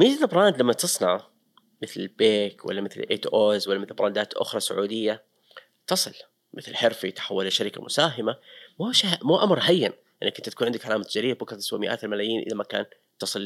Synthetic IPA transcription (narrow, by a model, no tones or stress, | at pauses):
mɪalbɾˤɑːnd̪lamːat̪ɨsˤnɑʕ | mɪθlɪlbeːkwa̰lːamɪθl̰ʔḛːt̪ʔoːzwalːamɪθlbɾˤɑnd̪aːt̪ʔʊ̰xɾˤɑsʊ̰ʕṵːd̪ɪjːa | t̪ɑsˤɨl | mɪθlħɪɾfit̪ɪ̥ħawːalaʃːaɾɪka̰mʊsaːɦɪmamuʃamuʔamɾˤɦajːan | ʔɪnːakːʊnt̪aḁkːnʕɪnd̪ɪkʕalaːmat̪ad͡ʒaɾiːbʊkt̪ɪswamɪʔaːt̪almalaːjiːnʔɪ̰lamaka̰ːn | t̪ɑsˤɨl